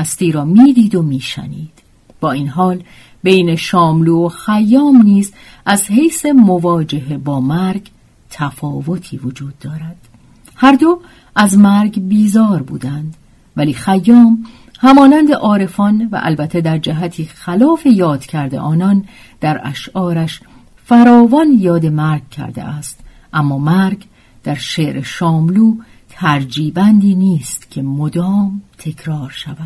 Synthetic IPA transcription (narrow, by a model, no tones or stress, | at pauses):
æst̪iːɾɒːmiːd̪iːd̪o̞miːʃæ̰niːd̪̥ | b̥ɒːiːnɦɒːl | be̞jne̞ʃɒːmluːoxæjːɒːmniːz | ʔæzhejse̞mo̞vɒːd͡ʒe̞ɦe̞bɒːmæɾɡ | t̪ʰæfɒːvo̞t̪ʰiːvod͡ʒuːd̪ːɒːɾæd̪̥ | hæɾd̪o̞ | ʔæzmæɾɡbiːzɒːɾbṵːd̪ænd̪ | væliːxæjːɒːm | hæmɒːnænd̪eʔɒːɾe̞fɒnvæ̰ʔæ̰lbæt̪ʰːed̪æɾd͡ʒæɦæt̪ʰiːxælɒːfe̞jɒːd̪̥cʰæɾd̪e̞̰ʔɒːnɒn | d̪̥æɾæ̰ʃʔɒːɾæʃ | fæɾɒːvɒnjɒːd̪e̞mæɾɡ̚cʰæ̰ɾd̪ḛʔæst̪ | ʔæmːɒːmæɾɡ | d̪̥æɾʃeɾʔeʃɒːmluː | t̪ʰæɾd͡ʒiːbænd̪iːniːst̪cʰe̞mod̪ɒːmt̪ʰe̞cʰɾɒːɾʃævæd̪̥